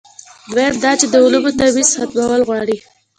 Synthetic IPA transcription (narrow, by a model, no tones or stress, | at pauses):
beɾ̚d̪ɑt͡ʃed̪əʊlubot̪awizxat̪wawəlɣwɑɽi